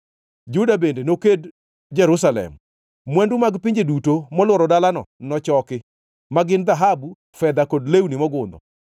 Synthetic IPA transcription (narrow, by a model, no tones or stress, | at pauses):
d͡ʒudabendenoked | d͡ʒɛɾus̬alɛ̰mː | wɛndumaɡpiɲd͡ʒedutomɔlwɔɾɔdalanɔnɔt͡ʃɔkɪ | maɡɪnd̪aɦabu | fɛd̪akodlewnimɔɡʊnd̪ɔ̰